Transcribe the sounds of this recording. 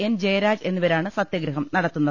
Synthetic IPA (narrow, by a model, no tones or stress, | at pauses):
end͡ʑejɐɾaːd͡ʑe̞nːuʋɐɾaːɳɨsɐt̪jɐɡɾɐɦɐmnɐɽɐt̪ːunːɐ